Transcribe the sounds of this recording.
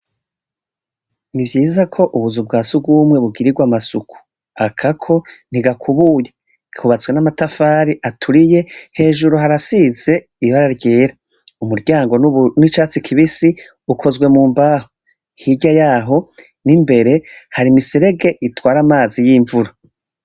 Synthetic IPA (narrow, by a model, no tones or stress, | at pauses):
nivjiːzakʰo̞ʔuβuzub̚ɡaːsuɡuːmŋe̞βuɡiɾiɡwamasuku̥ | akʰakʰo̞n̥iɡakʰuβuje̞ | kʰuβat͡swenamatafaːɾiʔatʰuɾije̞he̞ːʒuɾuɦaɾasize̞ | iβaɾaɾɟeːɾa | umuɾɟaːŋɡo̞nit͡ʃaːt͡sikʰiβisi | ukʰo̞zɡwe̞muːmbaːho | hiɟajaːɦo̞ | nimbe̞ɾe̞haɾimiseɾe̞ɡe̞ʔitwaːɾamaːzijiːɱvuɾa